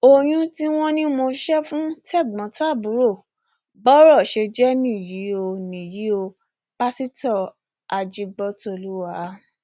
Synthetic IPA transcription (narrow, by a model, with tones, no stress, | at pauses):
o˧j̃ũ˧ti˦w̃ɔ̃˦nĩ˦mo˧ʃɛ˦fũ˦tɛ˦˨ɡ͡bɔ̃˨˦ta˦˨bu˨˦ɾo˦˨ | bɔ˦ɾɔ˦˨ʃe˧d͡ʒɛ˦nĩ˦˨ji˨˦o˧nĩ˨ji˨˦o˧ | k͡pa˦si˦tɔ˦˨ | a˨d͡ʒi˧ɡ͡bɔ˧˦to˧˨lu˦wa˨˦